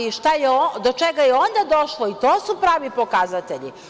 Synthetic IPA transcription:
iʃt̪ajeod̪ot͡ʃeɡajeo̞nd̪ad̪o̞ʃlˠoit̪oːsupɾaːʋipo̞kazat̪eʎḭ

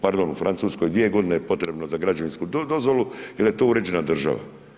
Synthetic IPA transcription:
paɾd̪onufɾʔant̪suːsko̞jd̪ʋije̞ɡo̞d̪inejepo̞t̪ɾe̞bnozaɡɾad͡ʑoʋinskud̪o̞zʋo̞luilje̞t̪o̞ːuɾe̞d͡ʑe̞nad̪r̩ʒa̰ʋa̰

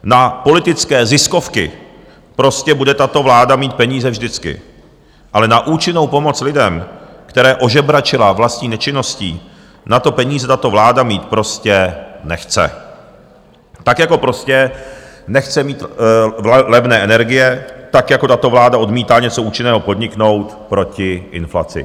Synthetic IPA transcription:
napo̞lɪt̪ɪt͡skɛːzɪsko̞fkɪ̰ | pɾo̞scɛbudɛt̪at̪o̞vlaːdamiːt̪̚pɛɲiːzɛvʒdɪt͡skɪ̰ | ʔalɛnaʔuːt͡ʃɪno̞wpo̞mo̞t͡slɪdɛmkt̪ɛɾɛːʔo̞ʒɛbɾat͡ʃɪlavlast̪ɲiːnɛt͡ʃɪno̞scḭː | nat̪o̞pɛɲiːzɛt̪at̪o̞vlaːdamiːt̪pɾo̞scɛnɛxt͡sɛ̰ | t̪akjako̞pɾoscɛnɛxt͡sɛmiːt̪ | lɛvnɛːʔɛnɛɾɡɪjɛt̪akjako̞t̪at̪o̞vlaːdaʔo̞dmiːt̪aːɲɛt͡so̞ʔuːt͡ʃɪnɛːɦo̞po̞d̪ɲɪkno̞wt̪pɾo̞cɪʔɪnfla̰t͡sɪ̰

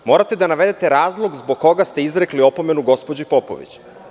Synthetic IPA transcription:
mo̞ːɾat̪e̞d̪anaʋe̞d̪e̞t̪e̞ɾaːzlˠo̞ɡzboɡkːo̞ɡast̪e̞izɾe̞klio̞po̞me̞nuɡo̞spod͡ʑepo̞po̞̰ʋḭt͡ɕ

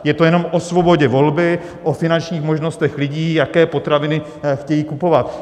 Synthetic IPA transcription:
jɛt̪o̞jɛno̞mʔo̞svo̞bo̞ɟɛvo̞lbɪ | ʔofɪnant͡ʃɲiːxmo̞ʒno̞st̪ɛxlɪɟiːjakɛːpo̞t̪ɾavɪnɪ | xcɛjiːkupo̞vat̪

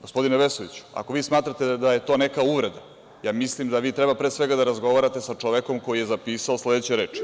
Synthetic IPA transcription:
ɡospo̞d̪ineʋesoʋḭt͡ɕu̥a̰ko̞ʋiːsmaːt̪ɾat̪ed̪aje̞t̪o̞ːne̞kauʋɾe̞d̪a | jaːmislimd̪aʋiːt̪ɾebapɾesʋeɡad̪aɾazɡo̞ʋaːɾat̪e̞sat͡ʂoʋeko̞mko̞jijezapiːsaosled̪et͡ɕeɾe̞ːt͡ʂi̥

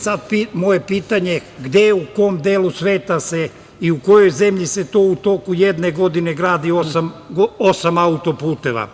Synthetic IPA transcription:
sad̪̚pimo̞je̞piːt̪aɲe̞ɡd̪e̞uko̞md̪eːlusʋeːt̪ase̞ | iuko̞jo̞jze̞mʎise̞t̪oːut̪o̞kuje̞d̪ne̞ɡo̞d̪ine̞ɡɾaːd̪iosamɡoosamaut̪o̞puːt̪eʋa̰

